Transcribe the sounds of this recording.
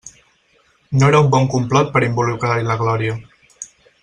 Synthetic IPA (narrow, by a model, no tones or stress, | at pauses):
noeɾaumbɔŋkumplɔt̪̚pəɾimbulukɾaɾiləɣlɔɾiə